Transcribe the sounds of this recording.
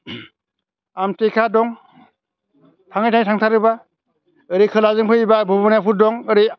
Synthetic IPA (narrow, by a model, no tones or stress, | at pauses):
amtekʰadɔŋ | tʰaŋajtʰaŋjtʰaŋtʰaɾɯba | ɯɾikʰɯlazɯŋpʰɯibabɔbɔnjapʰuɾ̚dɔŋɯɾi